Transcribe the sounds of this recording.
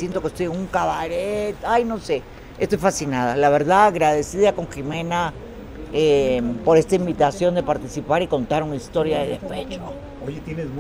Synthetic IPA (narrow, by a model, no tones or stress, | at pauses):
jent̪o̞kest̪o̞jeŋuŋkaβaɾet̪ajno̞se̞ | est̪o̞jfasinaðalaβe̞ɾðaɣɾaðe̞siðako̞ŋximẽ̞na | empo̞ɾest̪aimbit̪asjo̞nd̪e̞paɾt̪isipaɾiko̞nt̪aɾunaist̪o̞ɾjaðeðefet͡ʃo | ojet̪jenezm